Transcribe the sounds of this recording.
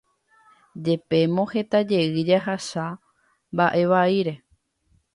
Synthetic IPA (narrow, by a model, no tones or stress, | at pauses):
d͡ʒe̞pe̞mõ̞he̞t̪ad͡ʒe̞ɨd͡ʒaɦasa | mbaʔe̞ʋaiɾe̞